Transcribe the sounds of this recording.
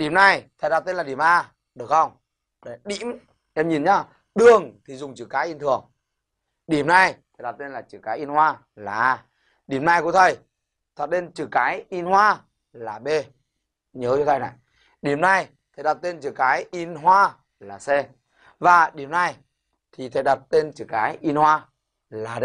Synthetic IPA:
ɗi˨˩əmna˧jt̪ʰə˨˩ɗa˨˩t̚t̪e˧nlaː˨˩ɗi˧˩əmʔaː˧ | ɗɨ˨˩ək̚xə˧wŋ͡m | ɗə˨˩ɗḭ˧˥m | ʔɛ˧mɲi˨˩nɲa˧ | ɗɨ˨˩əŋt̪ʰi˨˩zʊ˨˩ŋ͡mt͡ɕɨ̰˧˩kaː˨˦jʔi˧nt̪ʰɨ˨˩ə˩ŋ | ɗi˨˧˩əmna˧jtt̪ʰə˨˩jɗa˨˩w̚t̪e˧nlaː˨˩t͡ɕɨ̰˧˨˩kaː˨˦jʔi˧nhwaː˧ | laː˨˩ʔaː˧ | ɗi˨˩əmna˧jkṵ˧˥t̪ʰə˨˩j | t̪ʰə˨˩t̚t̪e˧nt͡ɕɨ˧˩kaː˨˦jʔi˧nhwaː˧ | laː˨˩ɓe˧ | ɲəː˨˦t͡ɕɔ˧t̪ʰa˧jna̰˧˨j | ɗi˨˩əmna˧j | t̪ʰə˨˩jɗa˨˩t̚t̪e˧nt͡ɕɨ˧˨˩kaː˨˦jʔi˧nɦwaː˧ | laː˨˩se˧ | vaː˨˩ɗi˨˩əmna˧j | t̪ʰi˨˩t̪ʰə˨˧˩jɗa˨˩t̚t̪e˧nt͡ɕɨ˧˩kaː˨˦jʔi˧nhwaː˧ | laː˨˩˧

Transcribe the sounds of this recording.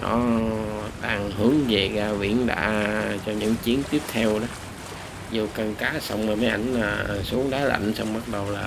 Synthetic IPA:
ɗɔ̰˨˦ | ɗaː˨˩ŋhɨ˨˧˦əŋve˨˩ɣaː˧vḭ˧˨ənɗa̰ː˧˥t͡ɕɔ˧ɲɨ̰˧˥ŋt͡ɕi˨˦ənt̪i˦˥əp̚t̪ʰɛ˧wɗɔ˨˦ | zu˨˩kə˨˩nkaː˨˦sa˧wŋ͡mmaː˨˩mə˨˦jʔa˧˩jŋ̟laː˨˩˨su˨˦əŋɗaː˨˦la̰˧˨jŋ̟sa˧wŋ͡mɓa˦˥t̚ɗə˨˩wlaː˨˩

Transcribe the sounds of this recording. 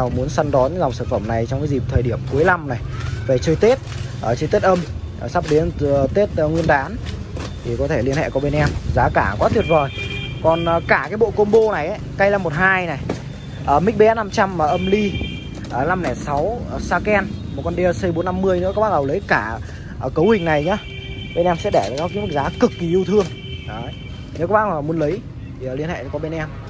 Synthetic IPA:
mu˨˦ənsa˧nɗɔ˨˦nza˨˩wŋ͡msaː˧˩nfə˧˩mna˨˩jt͡ɕɔ˧wŋ͡mkaː˨˦zi˨˩p̚t̪ʰəː˨˩jɗi˧˩əmku˨˦əjla˧mna˨˩jve˨˩t͡ɕəː˧jt̪e˦˥t̚ʔəː˨˩t͡ɕə˧t̪e˦˥t̚ʔə˧mː˨˩sa˦˥p̚ɗe˨˦ntt̪e˦˥t̚ːŋwɨ˧ənɗaː˨˦n | t̪ʰi˨˩kɔ˨˦t̪ʰe˧˩li˧ənhɛ̰˧˨kɔ˨˦ɓe˧nʔɛ˧mzaː˨˦kaː˧˩˨kɔ˨˦t̪ʰwi˨˩ət̚zo˨˩jkɔ˨˩nʔəː˨˩kaː˧˩kaː˨˦jɓo̰˧˨ko˧nɓo˧na˨˩jʔə˨˦ka˧jla˧˩mo˨˩t̚ɦaː˧jna˨˩j | ʔəː˨˩mï˦˥k̟̚ɓɛ˨˦˥na˧mt͡ɕa˧maː˨˩ʔə˧mli˧ | ʔəː˨˩la˧mnɛ˧˩sa˨˦wə˨˩saː˧kɛ˧nmo˨˩kɔ˧nɗi˧ə˧sə˧jɓo˨˦nːa˧mːɨ˧əjnɨ̰˧˥əkːɓaː˧ŋ˨ə˨˩wlə˨˦jkaː˧˩ | ʔə˨˩kə˨˦whï˨˩ŋ̟na˨˩jɲa˨˦ | ɓe˧nʔɛ˧msɛ̰˧˥ɗe˧˩˨kːki˨˦mə˨˩k̚zaː˨˦kɨ˨˩kːi˨˩ʔi˧wt̪ʰɨ˧əŋ | ʔəː˨˦j | n˨˦kːɓaː˧˥ŋ˨zɔ˨˩mu˨˦ənlə˨˦j | t̪ʰi˨˩˨li˧ənhḛ˧˨˧kɔ˨˦ɓe˧nʔɛ˧m

